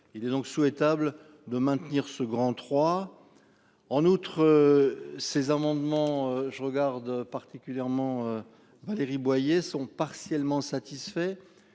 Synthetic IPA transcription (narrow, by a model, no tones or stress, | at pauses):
ilɛd̪ɔ̃ksuɛt̪abl | d̪əmɛ̃t̪niʁsəɡʁɑ̃t̪χwa | ɑ̃nut̪χə | sezamɑ̃d̪mɑ̃øʒəʁəɡaʁd̪paʁt̪ikʲyljɛʁmɑ̃ø | valeʁibwajesɔ̃paʁsjɛlmɑ̃sat̪isfɛ